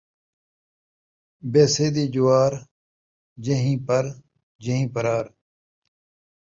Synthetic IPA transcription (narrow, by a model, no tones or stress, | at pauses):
beːseːd̪iːd͡ʑuwaːɾ | d͡ʑeɦĩːpɐɾ | d͡ʑeɦĩːpɐɾaːɾ